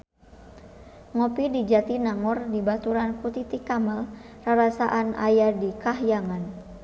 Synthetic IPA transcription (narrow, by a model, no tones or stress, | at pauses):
ŋɔpidid͡ʒat̪inaŋɔrdibat̪uɾanput̪it̪ikamal | raɾasaʔana̰jadikaɦjaŋan